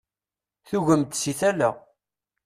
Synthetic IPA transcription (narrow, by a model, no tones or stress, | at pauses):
θuʝəmt̪siθælæ̰